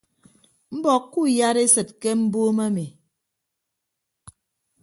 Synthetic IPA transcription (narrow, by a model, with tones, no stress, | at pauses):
m̩˦bɔ˨kːu˦˨ja˦ɾe˦sɨ˨t̚ke˦m̩˦bo˦ma˦me˨